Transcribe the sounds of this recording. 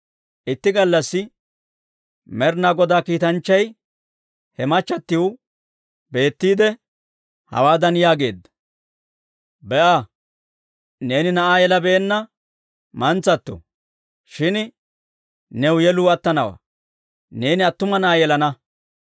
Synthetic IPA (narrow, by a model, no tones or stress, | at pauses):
ʔɪt̪ːɪɡɐlːɐsːɪ | mɛɾnaːɡɔd̪aːkiːt̪ɐnt͡ʃːɐj | hɛmɐt͡ʃːɐt̪ːɪwʊ | be̞ːt̪ːiːd̪ɛ | hɐ̰waːd̪ɐnjaːɡe̞ːd̪ːɐ̥ | bɛʔaː | ne̞ːnɪnɐʔaːjɛlɐbɛːnːɐ | mɐnt͡sːɐt̪ːɔ̰ | ʃɪn | nɛwʊjɛluːɐt̪ːɐnɐwa̰ː | ne̞ːnɪɐt̪ːʊmɐnɐʔaːjɛlɐnɐ